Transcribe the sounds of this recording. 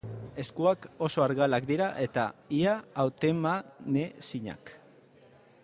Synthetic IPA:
e̞skuako̞so̞aɾɣalakd̪iɾaʔe̞t̪aiaawt̪emanesiɲa̰k

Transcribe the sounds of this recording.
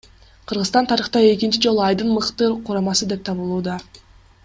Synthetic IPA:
qʰɯɾʁɯst̪ɑnt̪ʰɑɾɯχt̪ɑe̞kint͡ʃid͡ʒo̞lˠuɑjd̪ɯnmɯqt̪ɯɾqʰuɾɑmɑsɯd̪e̞p̚t̪ʰɑβɯlˠuːd̪ɑ

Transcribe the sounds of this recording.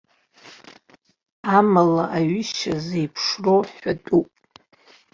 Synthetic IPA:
amalaʔaɥɪʃazejpʰʂroħatʼupʼ

